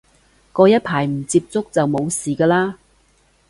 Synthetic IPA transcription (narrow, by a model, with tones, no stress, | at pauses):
kɔː˧jɐ˥t̚pʰaː˨˩jm̩˨˩t͡siː˧p̚t͡sʊ˥k̚t͡sɐ˨wmo˨˧wsiː˨˩kɐː˧laː˥